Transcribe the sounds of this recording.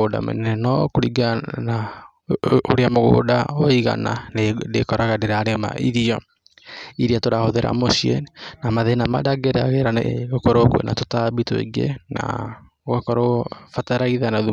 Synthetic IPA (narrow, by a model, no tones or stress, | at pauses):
oda̰mɛ̰nɛɛnɔkoɾiɡana | oɾeamoɣo̰ːdaoiɣa̰na̰dekɔɾaɣadeɾaɾema̰ʔiɾiɔ | iɾiatoɾahoðeɾa̰mosiɛnamaðenama̰daɡeɾaɣeɾaɣokɔɾokwḛna̰totabitoḭɡḛna̰ | ɣakɔɾofataɾaiðanaðu